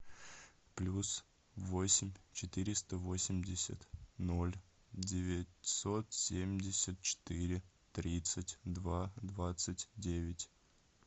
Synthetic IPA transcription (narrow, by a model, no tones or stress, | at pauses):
plʲus | vo̞sʲɪmʲt͡ɕɪt̪ɨɾʲɪst̪əvo̞sʲɪmʲdʲɪsʲə̰t̪no̞lʲ | dʲɪvʲɪtʲso̞t̪sʲemʲdʲɪsʲət̪̚t͡ɕɪ̥t̪ɨɾʲɪ | t̪ɾʲit̪sɨtʲd̪vad̪vat̪sɨtʲdʲevʲɪtʲ